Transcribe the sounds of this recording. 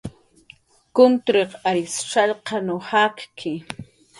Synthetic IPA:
kʊnt̪ɾeqaɾɪsʈ͡ʂɑʎqɑnohakkʰɪ

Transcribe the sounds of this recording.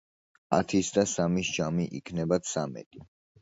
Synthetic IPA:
a̰t̪ʰisd̪asamisd͡ʒamiʔḭkʰnɛbat̪samɛ̰t̪ʼi

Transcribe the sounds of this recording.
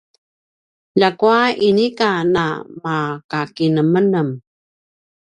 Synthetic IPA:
ʎakuainikana̰makakinəmənəm

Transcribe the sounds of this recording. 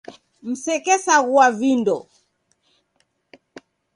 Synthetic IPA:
m̩sɛkɛsaɣuavindɔ

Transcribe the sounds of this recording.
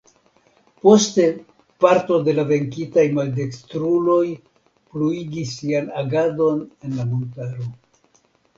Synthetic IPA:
po̞ste̞ | paɾto̞de̞lave̞ŋkitajmalde̞kstɾulo̞j | pluiɡisːianaɡado̞ne̞nlamontaɾo̞

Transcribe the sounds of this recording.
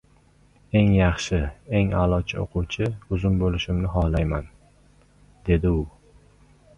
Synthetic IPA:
e̞ŋjɑχʃɪe̞ŋa̰lˠɒt͡ʃʰɪ̰o̰qʰʊwt͡ʃʰɪʊzʊnbolɪʃɪmnɪɦɒhlajman | d̪̥e̞d̪ɪʊ

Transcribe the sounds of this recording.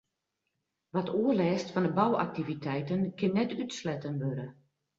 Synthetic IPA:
ʋatʰuərlɛːstfɔndəbawa̰k̚tivitʰɛjtənkʰɪnːɛtytslɛtənʋøɾə

